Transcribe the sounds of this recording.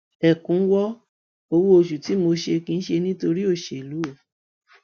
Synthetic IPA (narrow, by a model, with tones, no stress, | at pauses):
ɛ˨kũ˨˦wɔ˦ | o˧wu˦o˧ʃu˨ti˨˦mo˧ʃe˧kĩ˧n̩˦ʃe˧nĩ˦to˧ɾi˦o˦˨ʃe˨lu˨˦˨